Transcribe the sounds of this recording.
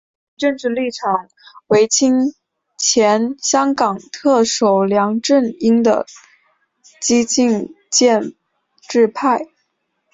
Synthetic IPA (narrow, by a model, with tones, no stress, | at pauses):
ʈ͡ʂə˥˧ŋʈ͡ʂɻ̩˥˧li˥˩ʈ͡ʂʰɑ˨˩ŋ | we˧˥ɪt͡ɕʰi˥ŋ | t͡ɕʰjɛ˧˥nɕjɑ˥ŋkɑ˨˩ŋt̪ʰɤ˥˩ʂo˨˩ʊljɑ˧˥ŋʈ͡ʂə˥˩ni˥ŋd̪ə̰˨ | t͡ɕi˥t͡ɕi˥˧ŋ | t͡ɕjɛ˥˧n | ʈ͡ʂɻ̩˥˧pʰa˥˩ɪ